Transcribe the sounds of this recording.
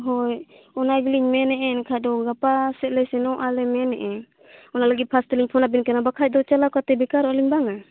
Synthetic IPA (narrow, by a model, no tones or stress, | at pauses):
ɦɔj | ɔnabiliɲmɛnɛʔɛnkʰadɔɡapasɛʔlɛsɛnɔʔalɛmɛnɛ̰ʔɛ | ɔnalaɡit̪̚pʰast̪iliɲpʰɔnabinkanabakʰac̪̚d̪ɔt͡ʃalakat̪ɛbɛkaɾɔɔliɲbaŋa